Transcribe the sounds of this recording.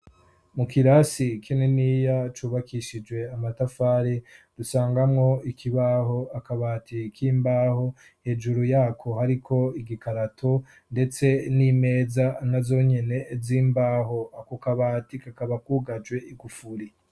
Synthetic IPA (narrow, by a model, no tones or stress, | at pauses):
mukiɾasikʰineniːjat͡ʃuːβakʰiʃid͡ʒwe̞amatafaːɾedusaːŋɡamŋo̞ikʰiβaho̞akaβaːtikʰiːmbaːho̞ | he̞ːd͡ʒuɾujaːkʰo̞haɾikʰo̞iɡikaɾatʰo | nde̞t͡se̞niːme̞ːzanazo̞ːɲe̞ne̞ziːmbaːɦo̞akokaβaːtikakaβakuɡad͡ʒɡwe̞ʔiɡufuɾi